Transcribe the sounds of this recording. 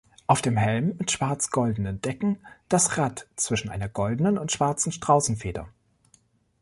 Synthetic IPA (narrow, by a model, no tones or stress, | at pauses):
ʔaʊfd̥eːmɦɛlmːɪtʃv̥aɐt͡sɡ̥ɔldən̩ənd̥ɛkŋ̩d̥asʁatt͡sv̥ɪʃn̩ʔa̰ɪnɐɡɔldn̩ənʊntʃv̥aɐt͡sn̩ʃtʁ̥aʊsn̩feːdɐ̰